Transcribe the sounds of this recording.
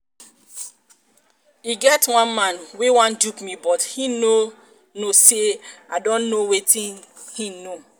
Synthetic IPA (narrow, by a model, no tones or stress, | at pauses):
iɡɛtwãnmãnwewãndukmibɔthino | noseaɪdɔ̃nːowetĩn | hino